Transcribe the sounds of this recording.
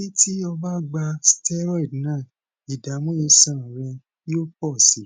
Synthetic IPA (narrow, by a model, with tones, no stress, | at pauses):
i˦tʰi˦ɔ˧ba˦ɡ͡ba˧stɛ˦ɾɔ˦˨dnãː˦˨ | i˨da˨˦mõ˦je˧sã˦˨ɾɛ̃˧ | i˦o˦k͡pɔ˦˨si˨˦